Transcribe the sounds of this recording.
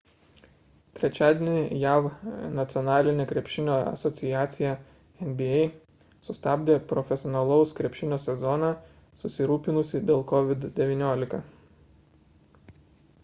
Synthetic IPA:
t̪ʲɾʲɛt͡ʃʲæːd̪ʲenʲɪjæːʋnɐt̪sʲɪɔnɑːlʲɪnʲeːkɾʲɛpʲʃʲɪnʲoːɐ̰sɔt̪sʲɪjæːt̪sʲɪjæ | ɛnʲbʲɪɛɪ | sʊst̪ɑːbʲd̪ʲeːpɾɔfʲɛsʲɔːnɐlˠɐʊskɾʲɛpʲʃʲɪnʲoːsʲɛzɔnɑː | sʊsʲɪɾuːpʲɪnʊsʲɪd̪ʲeːlˠkɔʋʲɪd̪d̪ʲɛʋʲɪnʲoːlʲɪkɐ

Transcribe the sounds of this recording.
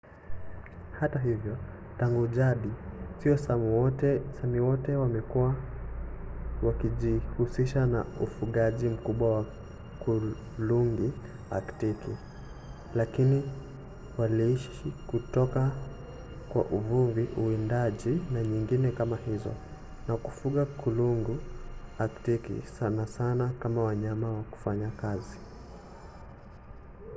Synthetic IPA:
hataɦivjɔ | taŋɡuʄaɗisiɔsa | samiwɔtɛwamɛkua | wakiʄihusiʃana̰ufuɠaʄim̩kuɓwawa | ku | luŋɡi | a̰ktiki | lakini | waliiʃ | ikutɔka | kwa̰ʔuvuviʔuindaʄinaɲiŋɡinɛkamahizɔ̰ | naku̥fuɠakuluŋɡuaktikḭsanasanakamawaɲamawaku̥faɲakazi

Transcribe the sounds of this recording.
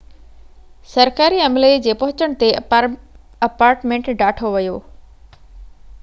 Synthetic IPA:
sɐɾkaːɾiɐmled͡ʑeːpɐɦʊt͡ɕəɽ̃t̪e | ɐpaːɾʈmẽːɳʈɖaːʈʰoʋɐjoː

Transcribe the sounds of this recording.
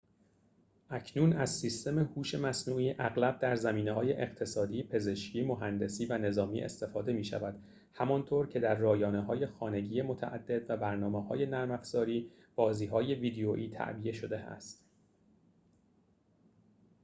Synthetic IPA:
ʔæcʰnuːnæzsiːst̪e̞mehuːʃe̞mæsnuːʔiːʔæɣlæb̚d̪æɾzæmiːneɦɒːje̞ʔeɢt̪ʰe̞sɒːd̪iːpʰe̞ze̞ʃcʰiːmoɦænd̪e̞siːvæne̞zɒːmḭːʔe̞̰st̪e̞fɒːd̪e̞miːʃæ̰væd̪̥ | hæmɒnt̪ʰoːɾcʰe̞d̪æɾːɒːjɒːneɦɒːje̞xɒːne̞ɟiːjemo̞t̪ʰæʔæ̰d̪ːe̞d̪væbæɾnɒːmehɒ̰ːje̞næɾmæfz̥ɒːɾiː | b̥ɒːziːɦɒːje̞viːd̪eoʔiːt̪ʰæ̰ʔbijeʃo̞d̪e̞æ̰st̪

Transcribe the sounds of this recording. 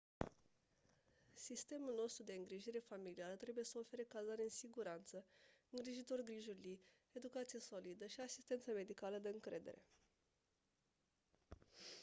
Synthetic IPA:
sist̪e̞mulno̞st̪ɾud̪e̞ɨŋɡɾiʒiɾe̞familiaɾət̪ɾe̞buje̞səofe̞ɾekalzaɾe̞ɨnsiɡuɾant̪səɨŋɡɾiʒit̪o̞rɡɾiʒurli | e̞d̪ukat̪sijeso̞lid̪əʃiasist̪e̞nt̪səme̞d̪ikaləd̪e̞ɨŋkɾe̞̰d̪e̞̰ɾe̞̰

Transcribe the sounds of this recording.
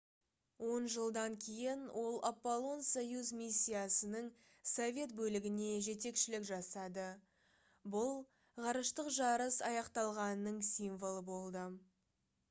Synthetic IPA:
wo̞nʒəlˠd̪ɑŋkʲʰe̞jɪnwʔo̞lˠapːolˠo̞nsojuzmʲisʲːijasənəɴ | sovʲe̞t̪bɵlɪɡʲɪne̞ʒe̞t̪e̞kʃɪlɪkʒɑsɑd̪ə | bʊlˠ | ʁɑɾəʃt̪əqʒɑɾəsɑjɑqt̪ɑlˠʁɑnnːəɴsʲijɱvolˠəbo̞lˠd̪ə

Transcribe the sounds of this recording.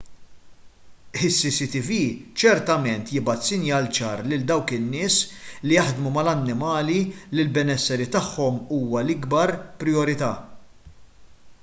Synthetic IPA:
ɪsːisit̪iviːt͡ʃɛɾt̪ɐmɛnt̪jɪbɐt̪sɪnjɐːlt͡ʃɐːɾlɪld̪ɐwkɪnːɪːslijɐħd̪mumɐlɐnːɪmɐːlilɪlbɛnɛsːɛɾit̪ɐħːɔmuːwɐlɪɡbɐɾpɾɪjɔɾɪt̪ɐː

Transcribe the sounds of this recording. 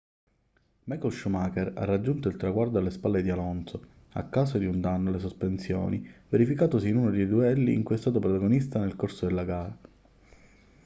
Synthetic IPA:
mɛkɔlʃumakeɾa̰rːad͡ʒːunt̪oilt̪ɾaɡward̪oalːespalːed̪ialɔnso | a̰kːaːs̬od̪iund̪anːoles̬ospensjɔ̰ːniveɾifikaːt̪osiːnuːnod̪ejd̪uɛlːḭːŋkujɛst̪aːt̪̬opɾot̪aɡonist̪anelkorsod̪elːaɡaːɾa

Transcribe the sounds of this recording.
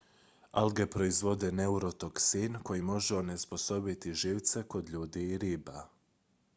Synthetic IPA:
alɡe̞pɾo̞izʋo̞d̪e̞neuɾo̞t̪o̞ksinko̞jimo̞ʒeone̞spo̞so̞bit̪iʒiːʋt̪se̞ko̞d̪ʎuːd̪iːɾiːba

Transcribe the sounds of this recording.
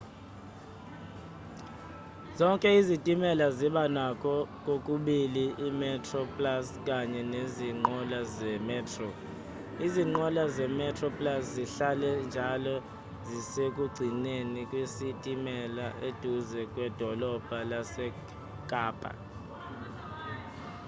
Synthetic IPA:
zɔŋkʼɛizitʼimɛlaziɓanakʰʼɔk̬ʼokʼuɓiliːmɛtʰrɔpʼlaskʼaɲɛneziŋ͡ǃɔlazɛmɛːtʰʼrɔ | iziŋ͡ǃɔlazɛmɛtʰʼrɔpʼlasziɬalɛnd͡ʒʱalɔ | zisekʼuɡ͡ǀʱinenikʼwisitʼimɛlaʔed̥ʱuzɛkʼwɛd̥ʱɔlɔb̥ʱalasɛ | kʼaːpʼa̰

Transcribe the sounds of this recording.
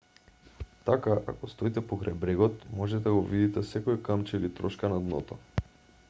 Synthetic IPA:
t̪akaʔa̰kɔst̪ɔit̪ɛpokɾajbɾɛɡɔt̪mɔʒɛt̪ɛd̪aɡɔvid̪it̪ɛsɛkɔikamt͡ʃɛlit̪ɾɔʃkanad̪nɔ̰t̪ɔ

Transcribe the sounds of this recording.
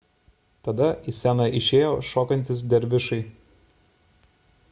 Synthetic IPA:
t̪ɐd̪ɐɪsʲænɐʔɪʃʲeːjoːʃoːkɐnʲt̪ʲɪs̬d̪ʲɛɾʲʋʲɪʃɐɪ

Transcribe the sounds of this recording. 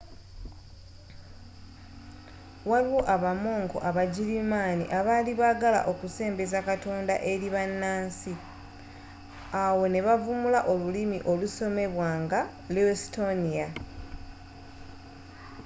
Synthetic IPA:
waliwoʔaβamo̞ːŋko̞̰ʔaβaɟilimaːnḭʔaβaliβaɡala̰ʔo̞kuse̞ːmbezakato̞ːnda̰ʔe̞ɾiβanːaːnsi | awo̞ne̞βavumulaʔo̞lulimḭʔo̞luso̞me̞βwaːŋɡa | lesito̞nia

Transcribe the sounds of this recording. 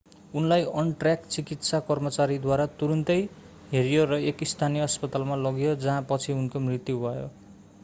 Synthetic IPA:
unlajʌnʈrjakt͡sikit̪sakʌrmʌt͡saɾid̪waɾat̪uɾunt̪ʌj | ɦeɾijorʌekist̪ʰanijʌʌspʌt̪almalʌɡjod͡zʌɦãpʌt͡sʰiunkomrit̪jubʱʌjo

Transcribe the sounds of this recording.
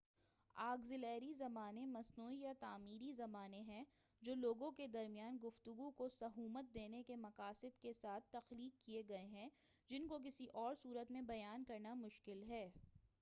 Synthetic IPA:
aːɡzɪlɛːɾizɐmaːnemɐsnuːijat̪aːmiːɾizɐmaːneɦɛ̃ | d͡ʒoːloːɡõked̪ɐɾmijaːnɡʊft̪ʊɡũkosɐɦuːmət̪̚d̪eːnekemɐqaːsɪd̪kesaːt̪ʰt̪ːɐxliːkːieɡɐeɦɛ̃ | d͡ʒɪnkok̬ɪsiʔɔːɾsuːɾət̪mẽbɐjaːnkɐɾnamʊʃkɪlɦɛː

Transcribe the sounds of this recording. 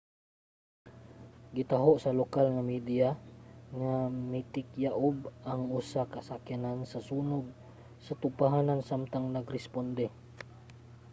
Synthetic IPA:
ɡɪt̪aɦoʔsalokalŋamid̪iaŋamit̪ɪkjaʔʊbaŋʊsakasakjanansasuːnʊd̪̚ | sat̪ʊpaɦanansamt̪aŋnaɡɾɪspond̪ɛ

